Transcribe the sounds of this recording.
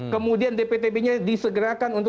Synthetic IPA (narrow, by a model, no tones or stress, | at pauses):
kəmũdiandepet̪ebeɲãdisəɡəɾakanunt̪